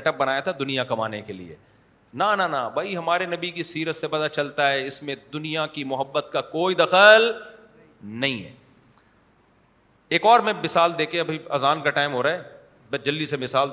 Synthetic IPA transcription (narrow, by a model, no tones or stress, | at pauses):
ɛʈəp̚bɐnaːjat̪ʰad̪ʊnijakɐmaːnekelḭḛ | nananabʱaiɦɐmaːɾenɐbʱikisiːɾət̪sebɐd̪at͡ʃɐlt̪aɦɛɪsmẽd̪ʊnijakimʊɦəbːət̪̚kakoːid̪ɐxəl | nɐɦĩɦɛ̰ː | eːkɔːɾmẽmɪsaːld̪eːkʰeɐbʱiɐ̰zaːnkaʈaːɪmɦoːɾaːɦɛː | bd͡ʒɐlːisemɪsaːl